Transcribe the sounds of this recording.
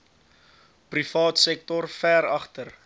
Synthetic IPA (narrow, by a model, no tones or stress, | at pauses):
prifɑːtsɛk̚tɔrfæːɾɐχtər